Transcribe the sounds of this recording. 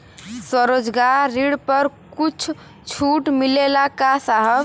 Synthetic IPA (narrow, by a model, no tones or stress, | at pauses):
səɾod͡ʒɡaɾːiɽpəɾkut͡ʃʰ | t͡ʃʰuːʈmilelakasaɦəb